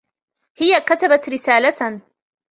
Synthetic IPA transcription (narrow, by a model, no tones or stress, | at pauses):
hɪjakat̪abat̪ɾɪsaːla